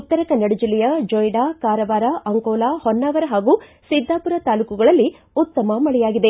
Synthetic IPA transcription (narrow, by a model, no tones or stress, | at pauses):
ut̪ːɐɾɐkɐnːɐɽud͡ʒilɛjɐd͡ʒɔjɖaːkaːɾɐʋaːɾaʔɐŋkɔːlaːhɔnːaːɡɐɾɐɦaːɡuːsid̪ʱːaːpuɾɐt̪aːlukuɡɐɭɐlːi | ut̪ːɐmɐmɐɭɛjaːɡid̪e̞